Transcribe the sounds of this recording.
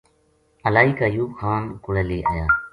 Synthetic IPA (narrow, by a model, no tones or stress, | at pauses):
əlaːɦiːkaːjuːbxʰaːnkʊɽeːleːʔa̰ːjaː